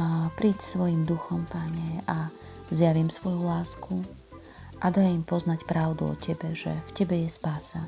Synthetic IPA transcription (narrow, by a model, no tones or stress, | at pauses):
pɾiːcsʋɔjimd̪uxɔmpaɲɛa | zjaʋiːmsʋɔjulaːsku | ʔad̪ajimpɔznacpɾaʊd̪ṵɔ̰cʰɛbɛʒɛ̰fcɛbɛjɛspaːsa